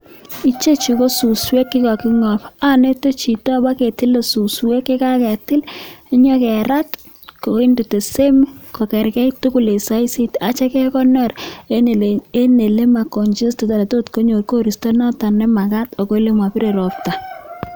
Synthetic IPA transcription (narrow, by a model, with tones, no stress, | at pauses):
i˦t͡ʃe˦t͡ʃi˨ko˦su˨swe˦kːɪ˦ka˨kɪ˦ŋɔ˨pa˦ne˦to˦t͡ʃi˨ta˦ba˦ke˨tɪ˦lo˨su˨swe˦ke˦ka˦kɛ˨tɪ˦li˦ɲɔ˦kɛ˨ɾa˦t | ko˨i˦ndu˨te˨se˦m˦ko˨kɛ˨ɾkɛ˦jtu˦ku˨le˨sa˦i˦si˦ta˨t͡ʃɛ˦kɛ˦kɔ˦nɔ˦˨ɾ | e˦ne˨le˦ma˨ko˨nd͡ʒi˦ste˨ta˨ɾe˨to˦tko˦ɲo˨ɾko˦ɾi˨sto˦nɔ˦ta˨nɛ˦ma˨ka˦to˨ko˦le˦ma˨pi˦ɾe˨ɾo˨p̚ta˨